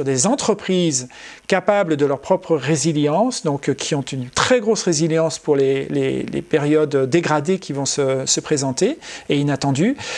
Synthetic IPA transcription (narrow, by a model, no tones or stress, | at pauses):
yʁd̪ezɑ̃t̪χəpχizkapabləd̪əlœʁpχɔpχəʁeziljɑ̃sd̪ɔ̃kkʲʰiɔ̃t̪ynt̪χɛɡʁosʁeziljɑ̃spuʁlelḛlḛpeʁjɔd̪ːeɡʁad̪ekʲivɔ̃səsəpχezɑ̃t̪eeinat̪ɑ̃d̪y